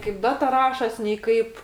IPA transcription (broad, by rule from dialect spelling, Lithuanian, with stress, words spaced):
kɐɪp ˈdɑːtɐ ˈrɑːʃoːsʲ nʲɛɪ ˈkɐɪp